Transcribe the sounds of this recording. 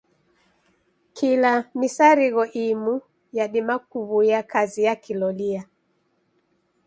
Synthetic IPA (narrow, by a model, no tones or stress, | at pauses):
kʰilamisaɾiɣɔʔimu | jaɗimakuβujakazijakilɔlia